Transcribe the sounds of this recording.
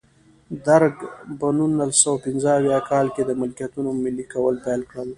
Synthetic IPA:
d̪aɾɡpənunːalsawapɪnzəawjɑkɑlked̪əmɪlkijat̪unomɪlːikawəlpajlkɽəl

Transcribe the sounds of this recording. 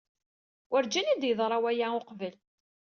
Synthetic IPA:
wəɾd͡ʒænid̪jəðˤɾˤɑwæjaoqvəl

